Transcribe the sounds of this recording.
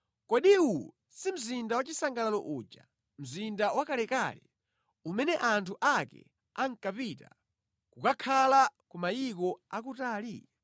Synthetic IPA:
kɔɗiu | sim̩zindawat͡ʃisaŋɡalalɔ̰ʔuːd͡ʒa | m̩zindawakalɛkalɛ | umɛnɛʔantʰuʔakɛ̰ | aŋ̩kapita̰ | kukakʰalakumajikɔak̬utaːlḭ

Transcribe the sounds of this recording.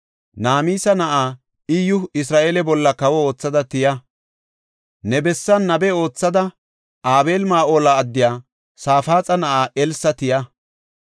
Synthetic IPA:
naːmiːsɐnɐʔaː | ɪjʊɪs̬ɾaːʔeːlɛbɔlːɐkɐwɔo̞ːt͡sːɐd̪ɐt̪ɪjɐ | nɛbɛsːɐnːɐbɛo̞ːt͡sːɐd̪ɐ | ʔaːbe̞ːlmaːʔoːlaːd̪ːɪjaː | saːfaːt͡sʼɐnɐʔaːʔɛlsɐt̪ɪjɐ

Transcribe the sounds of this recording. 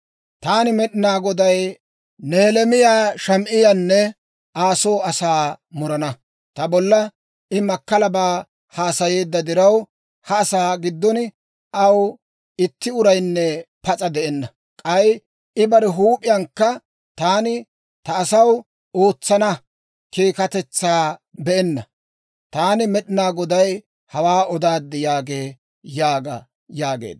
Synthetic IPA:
t̪aːnɪmɛɗɪnaːɡɔd̪ɐj | neːlɛmɪjaːʃɐmʔɪjanːɛ | ʔaːso̞ːɐsaːmʊɾɐnɐ | t̪ɐbɔlːɐ | ʔɪmɐkːɐlɐbaː | haːsɐjeːd̪ːɐd̪ɪɾɐw | hɐːsaːɡɪd̪ːɔnɪ | ʔɐw | ɪt̪ːɪʊɾɐjnːɛpɐt͡sʼɐd̪ɛʔɛnːɐ | kʼɐj | ɪbɐɾɛɦuːpʼɪjɐŋkːɐ | t̪aːnɪ | t̪ɐːsɐw | o̞ːt͡sːɐnɐ | kiːkɐt̪ɛt͡sːaːbɛʔɛnːɐ | t̪aːnɪmɛɗɪnaːɡɔd̪ɐj | hɐwaːʔɔd̪aːd̪ːɪjaːɡeː | jaːɡɐ̰ | jaːɡḛːd̪

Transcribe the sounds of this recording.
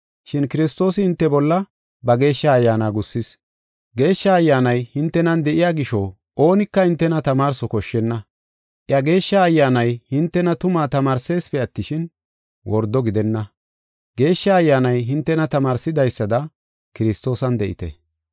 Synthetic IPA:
ʃɪnkɪɾɪst̪o̞ːsɪhɪnt̪ːɛbɔlːɐ | bɐɡe̞ːʃːɐːjːaːnaːɡʊsːɪs | ɡe̞ːʃːɐːjːaːnɐjhɪnt̪ːɛnɐnd̪ɛʔɪjaːɡɪʃɔ | ʔo̞ːnɪkːɐhɪnt̪ːɛnɐt̪ɐmaːɾsɔkɔʃːɛnːɐ | ʔjɐɡe̞ːʃːɐːjːaːnɐjhɪnt̪ːɛnɐt̪ʊmaːt̪ɐmaːɾse̞ːspɛɐt̪ːɪʃɪn | wɔɾd̪ɔɡɪd̪ɛnːɐ | ɡ̥e̞ːʃːɐːjːaːnɐjɦɪnt̪ːɛnɐt̪ɐmaːɾsɪd̪ɐjsːɐd̪ɐ | kɪɾɪst̪o̞ːsɐnd̪ɛʔɪ̰t̪ɛ̰

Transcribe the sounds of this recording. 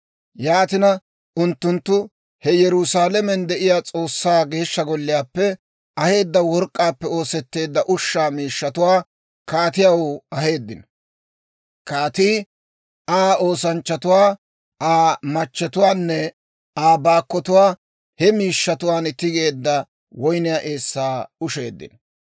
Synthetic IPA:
jaːt̪ɪnɐ | ʊnt̪ːʊnt̪ːʊ | hɛjɛɾʊsaːlɛmɛnd̪ɛʔɪjaːt͡sʼo̞ːsːaːɡe̞ːʃːɐɡɔlːɪjaːpːɛ | ʔɐhe̞ːd̪ːɐwɔɾkʼːaːpːɛo̞ːsɛt̪ːe̞ːd̪ːɐʔʊʃːaːmiːʃːɐt̪ʊwaː | kaːt̪ɪjawoɐhe̞ːd̪ːɪnɐ | kaːt̪iː | aːo̞ːsɐnt͡ʃːɐt̪ʊwaː | ʔaːmɐt͡ʃːɛt̪ʊwaːnːɛ | aːbaːkːɔt̪ʊwaː | hɛmiːʃːɐt̪ʊwaːnɪt̪ːɪɡe̞ːd̪ːɐ | wɔjnɪjaʔeːsːaːʊʃe̞̰ːd̪ːɪ̰n

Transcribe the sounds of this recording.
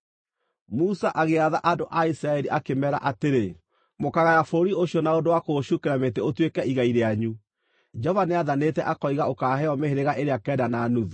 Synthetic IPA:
musaʔaɣeaðaʔadoʔaisɾaɛɾiʔakemɛɾa̰ʔateɾe | mokaɣajafoɾioɕjɔnaodowakoɕukeɾametɛotwekɛiɣaiɾeaɲu | d͡ʒɔvaneaðanetɛʔakɔiɣaokaːɦɛɔmeheɾeɣaʔeɾeakɛːdanaːnuðu

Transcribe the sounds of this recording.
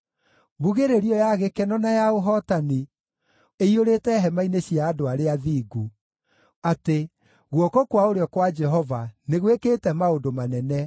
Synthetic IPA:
buɣeɾeɾiɔjaɣekɛnɔnajaoɦɔtani | eioɾetɛɦɛmaineɕijaːdoaɾeaðiːɡu | ate | ɣwɔkɔkwaoɾeɔkwad͡ʒɛɦɔvaneɣwekeːtɛmaodomanɛnɛ

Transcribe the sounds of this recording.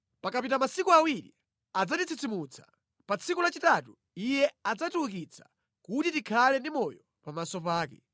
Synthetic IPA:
pakapitamasikuawiɾḭ | ad͡zatit͡sʰit͡simut͡sʰḁ̰ | pat͡sʰikulat͡ʃitatu | ijɛad͡zatulukit͡sʰḁ̰ | kutitikʰalɛndimɔjɔ | pamasɔpaːkɛ

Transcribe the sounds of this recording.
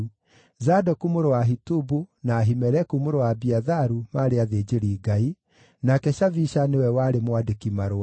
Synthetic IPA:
zadɔkumoɾowaɦitubunaːɦimɛɾɛkumoɾowabiaðaɾumaɾeaðeːd͡ʒeɾiːɡai | nakɛʃaviʃanewɛwaɾemwadekimaɾoa

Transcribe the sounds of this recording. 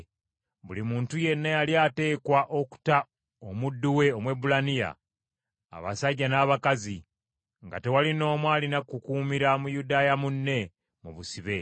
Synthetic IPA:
βulimuːntuje̞nːajaljaːte̞ːkwaʔo̞ku̥ta | omudːuwe̞o̞mwe̞bulanija̰ː | βa̰saɟːanaːβakazi | ŋɡa̰te̞walino̞ːmwaːlinakukuːmiɾamujudaːjamunːe̞ | muβusiβe̞

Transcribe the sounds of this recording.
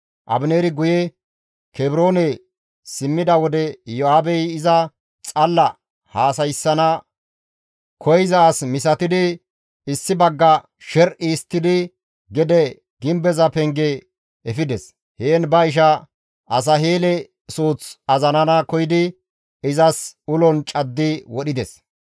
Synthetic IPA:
ʔɐ̰bɪneːɾɪɡʊjɛ | kɛbɪɾo̞ːnɛ | sɪmːɪd̪ɐwɔd̪ɛjɔaːbɛjɪzɐ | t͡sʼɐlːɐ | haːs̬ɐjsːɐnɐ | kʰɔjzɐːsmɪsɐt̪ɪd̪ɪ | ɪsːɪbɐɡːɐ | ʃɛɾʔiːst̪ːɪd̪ɪ | ɡɛd̪ɛ | ɡ̥ɪmbɛzɐpɛŋɡe | ɛfɪd̪ɛs | heːnbɐɪʃ̬ɐ | ʔɐs̬ɐɦeːlɛ | suːt͡sɐzɐnɐnɐkɔjɪd̪ɪ | ɪzɐsʊlɔnt͡ʃʼɐd̪ːɪwɔɗɪd̪ɛs

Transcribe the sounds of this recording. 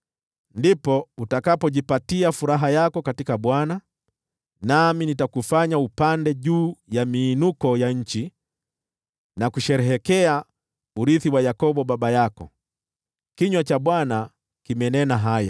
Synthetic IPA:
ndipɔutakapɔʄipatiafuɾaɦajakɔkatikaɓwana | naminitakufaɲaupandɛʄuːjamiːnukɔjaɲ̩t͡ʃi | nakuʃɛɾɛɦɛkɛa | uɾiθiwajakɔɓɔɓaɓajakɔ̰ | kiɲwat͡ʃaɓwana | kimɛnɛnaɦaja̰

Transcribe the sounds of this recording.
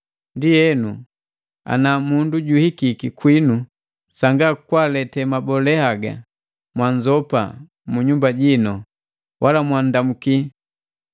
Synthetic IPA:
ndijɛnu | a̰namunduɟuhikikikwinu | saŋɡakwalɛtɛmabɔlɛhaɡa̰ | mwaɲd͡ʒɔpa̰ | muɲumbaɟinɔ | wʔalamwandamuki

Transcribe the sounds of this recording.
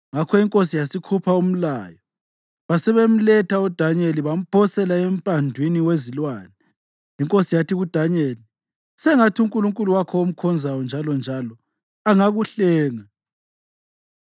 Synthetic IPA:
ŋakʰɔiŋkʼosijasikʰupʰaum̩laːjɔ | βasɛβem̩lɛtʰaud̥ʱaɲeliβam̩pʰɔsɛlaem̩pʼandʱwiniwezilwaːnɛ | iŋkʼosijatiɣud̥ʱaɲeli | sɛŋatʰiuŋkʼuluŋkʼuluwakʰɔom̩kʰɔnzʱajɔnd͡ʒʱalɔnd͡ʒʱalɔ | aŋaɣuɬɛːŋa

